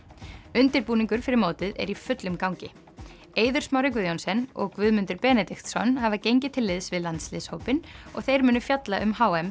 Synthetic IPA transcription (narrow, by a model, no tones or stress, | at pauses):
ʏnt̪ɪɾpuːniŋkʏɾ̥fɪɾɪɾmoːwt̪ɪðɛ̰ɾifʏt̪lʏmkawɲcɪ | eːjðʏɾ̥smaːwɾɪk̬vʏðjownsɛnɔ̰ɣkvʏðmʏnt̪ʏɾpɛːnɛt̪ɪxt̪sɔ̰nhavacejɲcɪt̪ʰɪlːɪðsvɪðlant̪slɪðshowpɪnɔ̰ɣθejɾmʏːnʏfjat̪laʔʏmhaːwɛm